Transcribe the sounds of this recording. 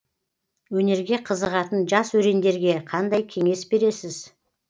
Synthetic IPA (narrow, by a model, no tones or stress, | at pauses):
wɵne̞ɾɡʲe̞qʰəzəʁɑt̪ənʒɑswɵɾe̞nd̪e̞ɾɡʲe̞qʰɑnd̪ɑjkʲʰe̞ŋe̞sbe̞ɾe̞sɪz